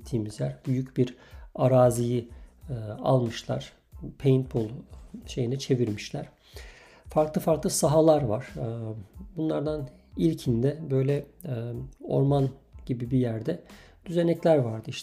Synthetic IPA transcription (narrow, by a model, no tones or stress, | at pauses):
t̪ʰiːmizlʲæɾbyjycbiɾ | aɾaːziji | a̰lˠmɯʃlˠa̰ɾ̥ | pʰejint̪̚pʰolˠʃe̞jinɛt͡ʃʰe̞viɾmiʃlʲæɾ̥ | faɾklˠɯfaɾklˠɯsaɦalˠaɾvaɾ̥ | bunlˠaɾd̪an | ilʲcʰind̪ɛbø̞jlʲɛ | o̞̰ɾmanɟ̥ibibijæɾd̪ɛd̪̥yze̞nɛclʲæɾvaɾd̪ɯiʃ